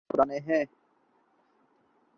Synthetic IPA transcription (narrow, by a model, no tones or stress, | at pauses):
ʊɾaneɦɛ̃ː